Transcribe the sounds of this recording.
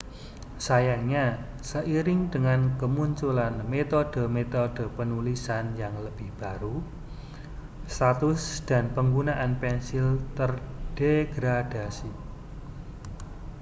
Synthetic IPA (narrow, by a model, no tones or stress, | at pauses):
sajaŋɲa | səʔiɾɪŋd̥əŋankəmuɲt͡ʃulanmet̪od̥ə̤met̪od̥ə̤pənulisanjaŋləb̥ɪhb̥a̤ɾu | st̪at̪ʊsd̪̥a̤npəŋɡunaʔanpɛnsɪlt̪ərɖ̥eɡ̥ɾad̥asi